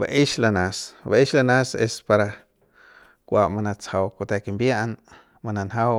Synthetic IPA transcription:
ba̰ʔiʃlanasbaʔiʃlanasespaɾa | kʷamanat͡shawkot̪ekimbjaʔn | mananɦaw

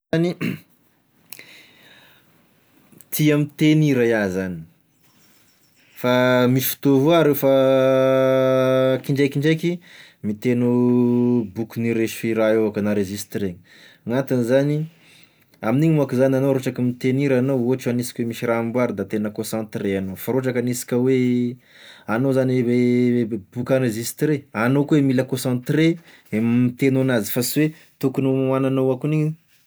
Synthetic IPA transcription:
zani | t̪ʰiamit̪eniɾajazani̥ | famiʃi̥fi̥t̪ovuaɾewfa | kiɳɖ͡ʐejkiɳɖ͡ʐejkimit̪enu | bukuniɾeʃfiɾaovakənaɾezist̪reɲ | ŋat̪anizani | aminiɲmuakizananoɾoʈ͡ʂakəmit̪eniɾanowoʈ͡ʂuanisi̥kʲwemiʃirambwaɾid̪at̪enəkõsãnt̪ɾeanofaɾoʈ͡ʂakanisi̥kʲəwe | anozanwe | b̥ukãɾezist̪ɾeanokuemiləkõsãnt̪ɾe | mit̪enuanazifaswe | t̪ukunommananoakuniɲ

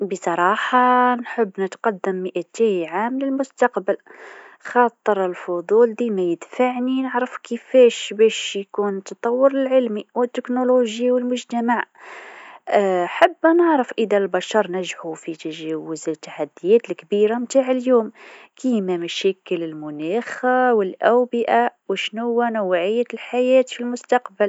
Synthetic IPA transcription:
bəsˤɑɾˤɑħɑnħəbːnət̪qɑd̪ːəmːəʔæt̪ihʕamləlmʊst̪ɑqbəlxɑt̪ˤːəɾəlfʊd̪ˤuːld̪imæjəd̪faʕninəʕɾəfkəfæʃbæʃjkunt̪ɑt̪ˤɑwːəɾəlʕəlmiwət̪ːəknoloʒjawəlmʊʒt̪æmaʕ | ħabːnəʕɾəfʔəd̪ælbɑʃɑɾˤnæʒʕufit̪aʒɛwʊzt̪ːaħad̪ːɪjɛːt̪lkbiːɾamt̪aːʕɪljuːmkiːmæmæʃɛːkəlɪlmʊnæːxawɪlʔæwbɪʔawɪʃnʊwːænawʕɪjːalħajɛːt̪filmʊst̪ɑqbal

